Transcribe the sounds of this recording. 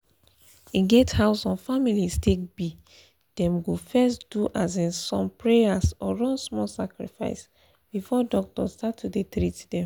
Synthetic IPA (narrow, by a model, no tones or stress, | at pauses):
iɡethaʊsɔ̃nfamilistʰek̚b̥i | d̥ɛ̃mɡofɛsduʔazẽnsɔ̃mpɹeasɔɹɔ̃nsmɔlsakɹḭfa̰ɪs | b̥ifɔdɔk̚tɔstatʰːudetɾitdɛ̃m